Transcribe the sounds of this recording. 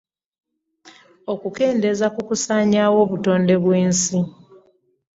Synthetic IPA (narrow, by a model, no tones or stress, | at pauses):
o̞kuke̞ːnde̞zakukusaːɲaːwo̞ːβuto̞ːnde̞βwe̞ːnsi